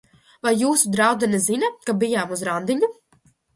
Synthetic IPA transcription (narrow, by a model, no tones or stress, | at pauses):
vajːuːsud̪ɾawd̪ɛnɛzinakabijaːmuzɾand̪iɲu